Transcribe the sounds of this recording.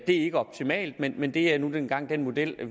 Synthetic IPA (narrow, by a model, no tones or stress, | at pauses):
d̥e̝æe̝ɡ̥əɒ̽b̥̚t͡sʰimɛ̰ːld̥menmend̥e̝ænud̥enɡ̥ɑ̈ŋ̰d̥enmo̝d̥el̰